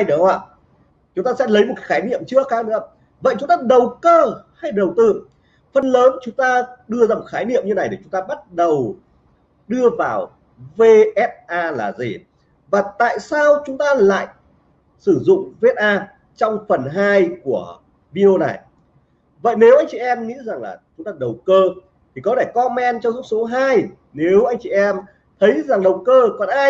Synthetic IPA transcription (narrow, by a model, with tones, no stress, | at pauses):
jɗə˨˦waː˧˨ | t͡ɕʊ˨˦ŋ͡mt̪aː˧sɛ̰˧˥lə˨˦jmo˨˩t̚ka˦xaː˨˦jnḭ˧˨əmt͡ɕɨ˦˥əkxaː˨˦nɨ̰˧˥˧ | və̰˧˨jt͡ɕʊ˨˦ŋ͡mt̪aː˧ɗə˨˩wkəː˧ha˧jɗə˨˩wt̪ɨ˧ | fə˧nləː˨˦nt͡ɕʊ˨˦ŋ͡mt̪aː˧ɗɨ˧əzaː˧mo˨˩t̚xaː˨˦jnḭ˧˨əmɲɨ˧na˨˩jɗe˧˩t͡ɕʊ˨˦ŋ͡mt̪aː˧ɓa˦˥t̚ɗə˨˩w | ɗɨ˧əvaː˨˩w | ve˧ʔɛ˦˥t̚ʔaː˧laː˨˩zḭ˨˩ | vaː˨˩t̪a̰ː˧˨jsaː˧wt͡ɕʊ˨˦ŋ͡mt̪aː˧la̰ː˧˨j | sɨ˧˩zʊ̰˧˨ŋ͡mve˦˥t̚ʔaː˧ | t͡ɕɔ˧wŋ͡mfə˨˩nɦaː˧jku˧˩ə | vi˧ʔo˧na˨˩j | və̰˧˨jne˨˦wʔa˧jŋ̟t͡ɕḭ˧˨ʔɛ˧mŋḭ˧˥za˨˩ŋla̰ː˨˩t͡ɕʊ˨˦ŋ͡mt̪aː˧˩ɗə˨˩wkəː˧ | t̪ʰi˨˩kɔ˨˦tʰe˧˩kɔ˧mɛ˧nt͡ɕɔ˧zʊ˦˥k͡p̚so˨˦ɦaː˧j | ne˨˦wʔa˧jŋ̟t͡ɕḭ˧˨ʔɛ˧m | t̪ʰə˨˦jza˨˩ŋɗə˨˩wkəː˧kɔ˨˩nʔaː˧